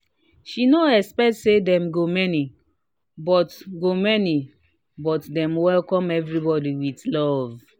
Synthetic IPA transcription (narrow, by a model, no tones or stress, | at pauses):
ʃinoɛspɛktsedɛ̃mɡomɛni | bɔtɡomɛni | bɔtdɛ̃mwɛlkɔ̃mɛvɹibɔdiwidlɔv